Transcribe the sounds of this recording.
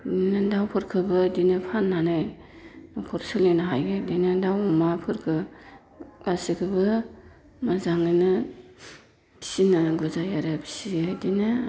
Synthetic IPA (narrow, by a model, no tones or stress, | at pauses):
dnɯdawpʰɯɾkʰɯbɯdinɯpʰanːanaj | nɔkʰɔɾsɯlinaɦajɡɯdinɯdawumapʰɯɾkʰɯ | asikʰɯbɯ | mazaŋninɯ | bʰi̥sinɯɡɯzajaɾɯbʰisidinɯ